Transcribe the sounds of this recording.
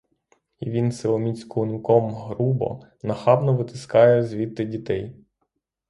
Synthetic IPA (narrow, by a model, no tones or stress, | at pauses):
iʋʲinsɪlˠɔmʲit͡sʲkɔʊnʊkɔmɦɾubɔ̰ | nɐxɑbnɔʋɪt̪ɪskɑjɛzʲʋʲit̪ːɪdʲit̪ɛj